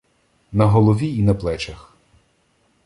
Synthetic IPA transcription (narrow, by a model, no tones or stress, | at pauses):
nɐɦɔlˠɔʋʲiinɐplˠɛt͡ʃɐx